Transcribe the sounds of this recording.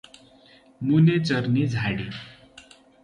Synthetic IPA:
munet͡sʌɾnid͡zʱaɽi

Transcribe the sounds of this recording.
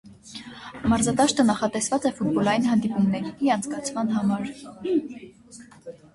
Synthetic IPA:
mɑɾzɑd̪ɑʃt̪ənɑχɑt̪ɛsvɑt͡sɛfut̪̚bɔlɑjinɦɑnd̪ipumnɛɾiiɑnt͡sʰkɑt͡sʰmɑnɦɑmɑɾ

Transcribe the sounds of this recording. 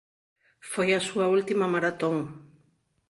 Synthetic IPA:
fojasuault̪imamaɾat̪oŋ

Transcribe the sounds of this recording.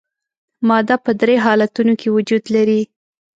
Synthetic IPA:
mɑd̪ɑpəd̪ɾeɦɑlat̪unokʰewʊd͡ʒud̪laɾi

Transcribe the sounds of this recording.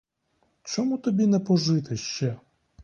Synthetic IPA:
t͡ʃɔmut̪ɔbʲinɛpɔʒɪt̪ɪʃt͡ʃɛ

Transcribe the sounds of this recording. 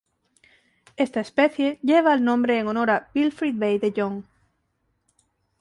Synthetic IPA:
e̞st̪aespe̞θje̞ʎe̞β̞aːlnõ̞mbɾeːŋono̞ɾabilfɾid̪̚bejðeʎoŋ

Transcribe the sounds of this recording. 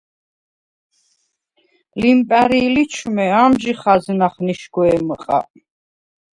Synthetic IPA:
limpʼæɾiːlit͡ʃʰumɛamʒiχaznaχniʃɡwɛməqʼa̰

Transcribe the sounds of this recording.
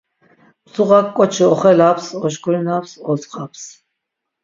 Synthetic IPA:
msuʁakːʼɔt͡ʃʰiɔχɛlapʰsɔʃkʰʼulinapsɔsʼqʼapʰs

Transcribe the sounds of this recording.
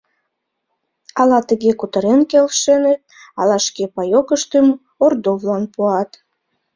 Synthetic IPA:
ɑlɑt̪əɣekut̪əɾenkelʃenet̪̚ | ɑlɑʃkepɑjokəʃt̪əm | ord̪ovlɑnpuɑt̪

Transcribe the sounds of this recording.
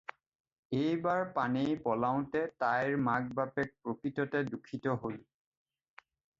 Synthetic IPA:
ejbaɹpanejpɔlaʊ̃tɛtajɹmaɡ̚bapɛk̚pɹokɹitɔtɛdukʰːitɔɦol

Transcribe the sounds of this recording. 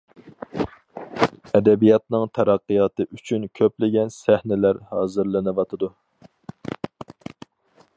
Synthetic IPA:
ɛd̪ɛbijɑt̪nɨŋt̪ʰɛɾɑqːijɑt̪ɨʔyt͡ʃʰynkʲʰøplɪɡʲɛnsæhnɪlæɾhɑːzɨɾlɨnɨwɑt̪ʰɨd̪u

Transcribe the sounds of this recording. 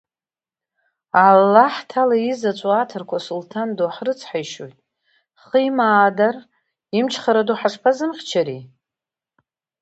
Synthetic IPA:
alːaħtʰalaizat͡ʃʷʼoatʰɨrkʷʰasultʰandoħrɨt͡sʰħajʃo̰jtʼ | χəjmaːdar | imt͡ʃʰχaɾaduħaʂpʰazɨmχʲt͡ʃʰaɾi

